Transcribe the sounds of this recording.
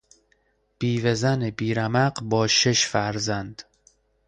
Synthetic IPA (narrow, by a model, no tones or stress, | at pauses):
b̥iːvezænebiːɾæmæɢbɒːʃe̞ʃfæɾzænd̪